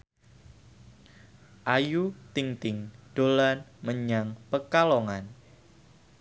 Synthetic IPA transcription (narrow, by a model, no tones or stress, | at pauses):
ʔajut̪ɪŋt̪ɪŋd̥olanməɲaŋpəkalɔŋan